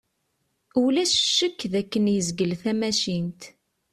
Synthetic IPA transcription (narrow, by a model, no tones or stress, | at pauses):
ulæsʃːəkːðækːənjəzɡəlθæmæʃint̪